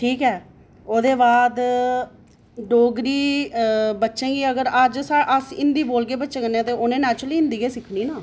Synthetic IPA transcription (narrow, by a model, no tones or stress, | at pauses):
ʈʰiːkɛː | oːd̪eːbaːd̪ | ɖoːɡɾiː | bətːʃẽːɡiːəɡəɾəd͡ʒsaʔəsɪnd̪iːboːlɡeːbətːʃẽːkənːeɛ̃ːt̪eːoːnẽːnɛːt͡ʃɾəliːɪ̃nd̪iːkeːsɪkʰniːnaː